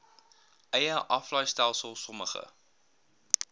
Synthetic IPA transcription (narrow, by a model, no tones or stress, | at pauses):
ʔəjəʔɐflœjstælˠsəlˠsɔməχə̰